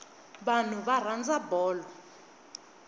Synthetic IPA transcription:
ɓan̤uβar̤and͡zabɔːlɔ

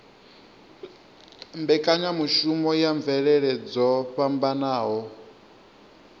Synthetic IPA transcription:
mbɛkʼaɲamuʃumɔjaɱvɛɺɛɺɛd͡zɔɸambanaːɦɔ

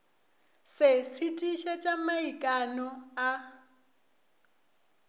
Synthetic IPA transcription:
sɪsitʼiʃɛt͡ʃʼamaikʼanɔa

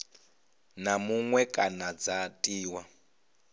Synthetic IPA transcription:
namuŋwɛkʼanad͡zatʼiːwa

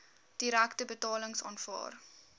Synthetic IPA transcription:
d̥iɾæktəbətɑːləŋsɑ̰ːnfɑ̰ːr

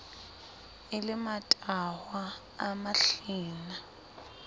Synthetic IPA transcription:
ɪlɪmatʼawaː | maɬiːna

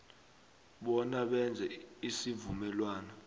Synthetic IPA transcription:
ɓɔnaɓɛnd͡zʱɛisivumɛlwaːnɔ

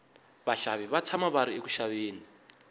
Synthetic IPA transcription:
βaʃaβiβat͡sʰamaβaɾieku̥ʃaβeːni

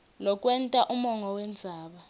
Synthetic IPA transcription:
lɔkʼwɛntʼaʔumɔŋɔwɛnd͡zʱaːɓa

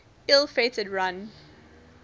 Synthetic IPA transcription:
ɪlˠfeɪtədɹãn

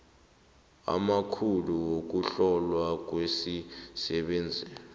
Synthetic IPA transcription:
a̰makʰuluwok̬uɬɔlwak̬wesisɛɓeːnd͡zʱi

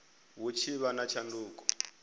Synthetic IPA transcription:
wut͡ʃʰiβanat͡ʃʰanduːkɔ̥

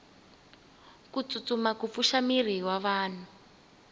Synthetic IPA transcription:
kut͡sut͡sumakup̪fuʃamir̤iwaβaːn̤u

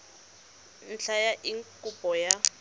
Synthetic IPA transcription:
n̩ɬʰajaʔiŋkʼupʼɔja

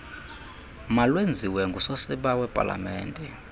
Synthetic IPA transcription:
malwend͡zʱiwɛŋɡʱusosiɓawɛpʼa̰la̰mɛ̰ːndʱʼɛ

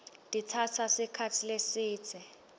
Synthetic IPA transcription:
d̥ʼit͡sʰatʰasɪkʰatʰilesiːt͡sʰɛ

